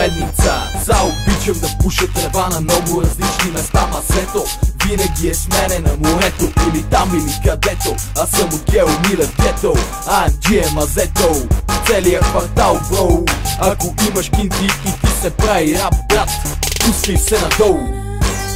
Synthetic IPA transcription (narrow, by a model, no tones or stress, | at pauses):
ɛd̪nit̪səsaobit͡ʃəmd̪ɐpuʃɛt̪ɾɛvanɐmnɔɡʊɾɐzlit͡ʃnimɛst̪anɐzɛt̪o | vinɐɡʲiɛsmɛnɛnɐmoɾɛt̪oʔilit̪amilikɐd̪ɛt̪oɐsɐmokʲɛmilɛfɡ̪ʲɛt̪o | ad͡ʒ̪iɛmɐzɛt̪owt̪sɛlijəkvɐɾt̪alˠɡɔlɐkoʔimɐʃkink̪iit̪isɛpɾaviɾap̚bɾat̪ | pusnifsɛnɐd̪ɔl